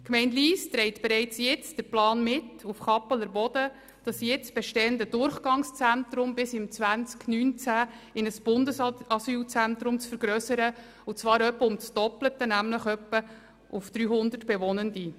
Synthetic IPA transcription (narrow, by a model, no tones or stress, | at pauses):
kmɛɪntliːst̪ɾɛɪtb̥eɾɛɪt͡sjɪt͡sd̥əɾplɑːnmɪtufχɑpələɾbɔd̥ə | d̥ɑsjɪt͡sb̥ɛʃtɛːəndədʊrχɡ̥ɑŋst͡sæntɾʊmbɪsɪmt͡sʋænt͡sknyːnt͡sæ | ɪnəsb̥ʊndəsɑsyːlt͡sænt̪ɾʊmt͡sfəɾɡ̥ɾœsəɾə | ʊt͡svɑːɾœpːəʊmt͡sd̥ɔplətənæmləχœpːə | ʔʊfd̥ɾyːɦʊnd̪ətb̥ɛʋɔnəndi